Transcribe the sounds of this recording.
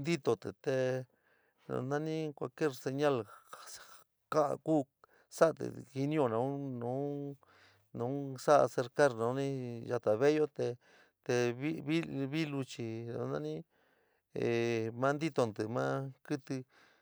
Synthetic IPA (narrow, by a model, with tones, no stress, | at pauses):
nd̪i˦t̪o˨t̪ɨ̰˨t̪e˧ | ñ̰˨nã˦nĩ˦kʷa̰˧lke˦ɾse˧ɲã˦l | ka̰˦˧kuː˦ | sa˦˧t̪ɨ̰˨i˧nĩ˦o˧˨nã˧u˦nũ˨˦ | nũ˨˦sa˦ʔa̰˧se˧ɾka˦ɾnã˨˧˦nĩ˦ja˧t̪a˨βe˦jo˦t̪e˧ | t̪e˧βi˦βi˦βi˦lu˧t͡ʃi˧nõ̰˧nã˦nĩ˦ | e˨mã˦˧nd̪i˦t̪o˧nd̪ɨ˨mã̰ː˦kɨ˦t̪ɨ˧